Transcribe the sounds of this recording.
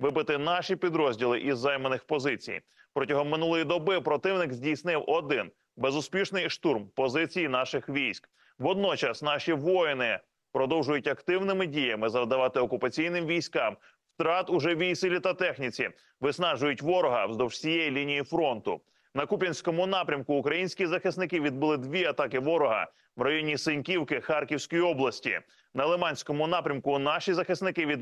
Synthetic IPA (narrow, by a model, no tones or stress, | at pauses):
ʋɪbɪt̪ɪnɑʃipʲid̪ɾɔzʲdʲilˠɪʔizːɑjmenɪxpɔzɪt͡sʲḭj | pɾɔtʲɐɦɔmːɪnulˠɔjid̪ɔbɪpɾɔt̪ɪwnɪkzʲdʲijsnɪwʔɔd̪ɪn | be̞zʊspʲiʃnɪjʃt̪urmpɔzɪt͡sʲijinɑʃɪxʋʲijsʲk | ʋɔd̪̚nɔt͡ʃɐsnɑʃiʋɔjnɪ | pɾɔd̪ɔwʒʊjʊtʲɐkt̪ɪwnɪmɪdʲijɐmɪzɐwd̪ɐʋɑt̪ɪɔkʊpɐt͡sʲijnɪmʋʲijsʲkɑm | ft̪ɾɑt̪ʊʒɛʋʲijsɪlʲit̪ɐt̪ɛxnʲit͡sʲi | ʋɪsnɑʒʊjʊtʲʋɔɾɔɦɐwzd̪ɔwʒ̥sʲijɛjilʲinʲijifɾɔnt̪ʊ̰ | nɐkupʲinʲsʲkɔmʊnɑpɾʲɐmkʊːkɾɐjinʲsʲkʲizɐxɪsnɪkɪʋʲid̪̚bɪlˠɪd̪ʋʲiɐt̪ɑkɪʋɔɾɔɦɐ̰ | ʋrɐjɔnʲisɪnʲkʲiwkɪxɑrkʲiwsʲkɔjiɔblˠɐsʲtʲḭ | nɐlˠemɑnʲsʲkɔmʊnɑpɾʲɐmkʊnɑʃizɐxɪsnɪkɪʋʲid̪